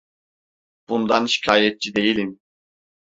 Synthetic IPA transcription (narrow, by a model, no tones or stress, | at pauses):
b̥und̪anʃi̥cʰaːjɛt̪̚t͡ʃʰid̪e̞jilʲim